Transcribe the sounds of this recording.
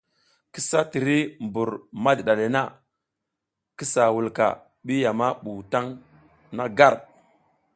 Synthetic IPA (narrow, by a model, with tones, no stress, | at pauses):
ki˦sa˦ti˨ɾi˦mbu˨ɾma˦dɗa˨le˨na˦ | ki˦sa˨wu˨lka̰˨ | ɓi˦ja˨ma˦ɓu˨ta˦ŋ | na˦ɡa˦˨ɾ